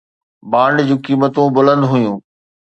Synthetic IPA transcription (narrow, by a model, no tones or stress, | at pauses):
baːɳɖd͡ʑũːkiːmət̪ũbʊlə̃nd̪ɦʊjũː